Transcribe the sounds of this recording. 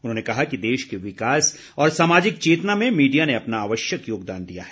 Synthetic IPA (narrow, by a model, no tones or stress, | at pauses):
ʊnɦõːnekɐɦakid̪eːʃkeʋɪkaːs | ɔːɾsaːmaːd͡ʒɪk̚t͡ʃeːt̪ənamẽmiːɖijaneɐpnaaːʋəʃjəkjoːɡ̚d̪aːnd̪ija̰ɦɛ̥ː